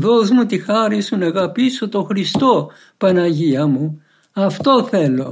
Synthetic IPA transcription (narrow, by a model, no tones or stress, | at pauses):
ðozmut̪ixɐɾisunɐɣɐpisot̪oxɾist̪o | pɐnɐʝiɐmu | ɐft̪o̞θe̞lo̞̰